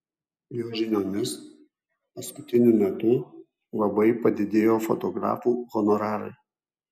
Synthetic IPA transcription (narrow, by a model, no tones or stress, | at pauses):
joːʒʲɪnʲoːnʲɪs | pɐskʊt̪ʲɪnʲumʲɛt̪ʊ | lˠɐbɐɪpɐd̪ʲɪd̪ʲeːjoːfɔt̪ɔɡɾɑ̰ːfuːɣɔnɔɾɑːɾɐ̰ɪ